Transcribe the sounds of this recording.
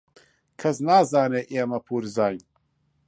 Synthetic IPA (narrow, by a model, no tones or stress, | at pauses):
kʰɐsnaːzaːneːʔeːmɐpʰuːɾzaːjn